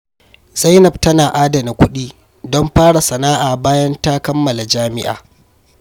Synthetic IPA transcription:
z̥a˦jnɐ˨b̚tɐ˦naː˨ʔaː˦dɐ˨na˨kʷʊ˦ɗiː˦ | dɔ˦mɸaː˦ɽa˨sɐ˨naː˦ʔaː˨baː˦jɐ˦nta˦kɐ˦mːɐ˨la˨d͡ʒaː˦mɪ̰˦ʔa̰ː˨

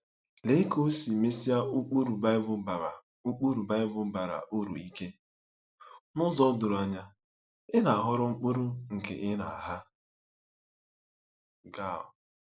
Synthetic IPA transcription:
le˦ko˦si˨me˦si˦a˦u˦k͡pu˦ɾu˨ba˦bʊ˦ba˨a˨ | u˦k͡pu˦ɾu˨ba˦ɪ˦bʊ˦ba˨ɾa̰˨ʔo˦ɾṵ˨i˦ke˦ | nʊ˦zɔ˦dʊ˨ɾa˨ɲa˦ | ɪ˦na˨a˨ɦʊ˦ɾʊ˦ŋ͡m̩˦k͡po˦ɾu˦ŋ̩˨kḛ˨ʔɪ˦na̰˨a˨ɦa˦ | ɡa˦˨ɔ̰˨

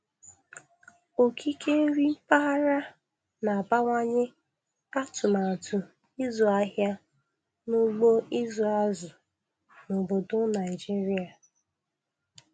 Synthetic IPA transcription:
o˨kʰi˦kʰe˦ɾi˦m̩˦pa˦a˦ɾa˦ | na˨a˨ba˦ŋʷa˦ɲɪ˦ | a˦tʊ˨na˨tʊ˨ | i˦zɔ˨a˦ɦja˦ | no˦ɡ͡bo˦i˦zu˨a˦zʊ˨ | no˨bo˨dʊ˦na˨ɪ˨d͡ʒi˦ɾi˦a˨

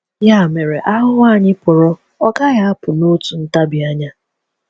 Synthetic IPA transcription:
ja˦˨me˨ɾe˨ʔa˦ɦʊ˦wa˦˨ɲɪ˦pʊ˨ɾɔ˦ | ɔ˦ɡa˦ja˦a˦pʊ˨no˦tu˨n̩˦ta˦bi˨a˦ɲa˦

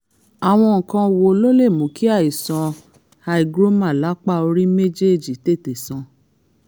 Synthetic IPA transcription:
a˨w̃ɔ̃˧ŋ̩˨kã˧wo˨˦lo˦le˦˨mũ˨ki˦a˦˨i˨sã˧ | ha˧i˦˧ɡɾo˦mã˦˨la˨˦k͡pa˦˨o˧ɾi˦me˦d͡ʒe˦˨d͡ʒi˨te˦˨te˨sã˨˧

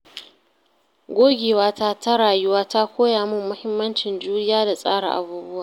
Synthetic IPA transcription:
ɡʷoː˦ɡʲeː˨waː˦ta˦ta˦ɽaː˨jʊ˦waː˦ta˦kʷoː˦jaː˨mʊ˦mːʊ˦hɪ˦mːɐ˦nt͡ʃɪ˨nd͡ʒuː˦nɪ˦jaː˦da˨sʼa̰ː˦ɽa̰˨ʔa̰˨buː˦bʊ˦waː˨

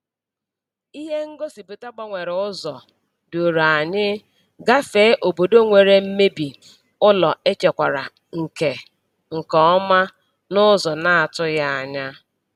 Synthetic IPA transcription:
i˦ɦe˦ŋ̩˦ɡo˦si˨be˨ta˦ɡ͡ba˦ŋʷe˨ɾʊ˦zɔ˨ | do˨ɾa˨ɲɪ˦ | ɡa˦fe˨˦ʔo˨bo˨do˦ŋʷe˨ɾe˨m̩˦me˦bi˨ | ʊ˦lɔ˨e˦t͡ʃe˨kʷa˨ɾa̰˨ | ŋ̩˨ke˨ | ŋ̩˨kɔ˦ɔ˦ma˦ | nʊ˦zɔ˨na˦a˨tʊ˦ja˦a˨ɲa˦

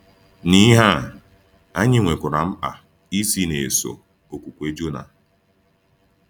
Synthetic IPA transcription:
ni˦ɦa˦˨ | a˦ɲɪ˦ŋʷe˨kʷʊ˨ɾa˨m̩˦a̰˨ | i˦si˦ne˨so̰˨ | o˨kʷu˨kʷe˦d͡ʒo˦na̰˨

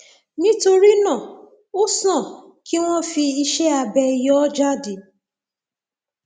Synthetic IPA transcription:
nĩ˦to˧ɾi˦nã˦˨ | o˦sɔ̃˦˨ | ki˦w̃ɔ̃˦fi˧i˧ʃɛ˦a˧bɛ˧jɔ˦d͡ʒa˦di˨

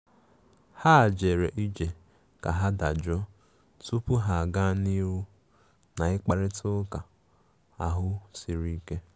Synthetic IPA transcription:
ha˦˨d͡ʒe˨ɾe˨ʔi˦d͡ʒe˨ | ka˨ɦa˦da˨d͡ʒɔ˦ | tu˦pʊ˦ɦa˨a˨ɡa˦ni˦ɾu˦ | na˨ɪ˦k͡pa˨ɾɪ˦tʊ˦ka˨ | a˨ɦʊ˦si˨ɾi˦ke˦

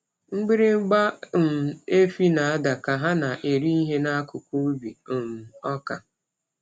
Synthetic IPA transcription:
ŋ͡m̩˦ɡ͡bi˦ɾɪ˦ŋ͡m̩˦ɡ͡ba˦m̩˨e˦fi˦na˨a˦da˨ka˨ɦa˦na˨ʔe˨ɾi˦i˦ɦe˦na˦kʊ˨kʷu˦bi˨m̩˨ɔ˦ka˨

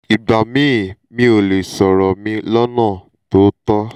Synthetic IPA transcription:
i˨ba˨mĩ˦˨mĩ˦o˨le˨sɔ˨ɾɔ˨mĩ˧˦lɔ˦nãː˦˨ | to˨˦tɔ˦

